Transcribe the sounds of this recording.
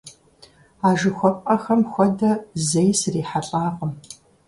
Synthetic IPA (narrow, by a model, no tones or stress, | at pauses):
aːʒɨxʷɔpʼqʼɐxɐmxʷɔdɐzejsriːħaɬʼaːqəm